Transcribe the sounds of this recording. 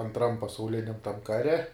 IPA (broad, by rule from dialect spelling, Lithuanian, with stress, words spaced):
ɐntˈrɐm pɐsɐʊˈlʲɪnʲɛm tɐm ˈkɑːrʲɛ